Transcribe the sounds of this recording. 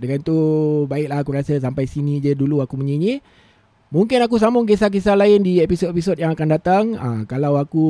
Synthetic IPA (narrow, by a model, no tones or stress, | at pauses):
dəŋant̪ubaɪʔ̚laɦakuɾasəs̬ampajsinĩd͡ʒəduluakuməɲiɲi | muŋkɪnakus̬amʊŋɡes̬ak̬isalaɪndiepisotepisot̚jaŋakandat̪aŋə̰kalawaku